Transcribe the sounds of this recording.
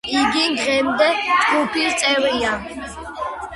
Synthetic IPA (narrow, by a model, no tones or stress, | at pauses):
iɡiɡʁɛmd̪ɛt̪ʼɡʼupʰiɾt͡s̪ʼɛɾija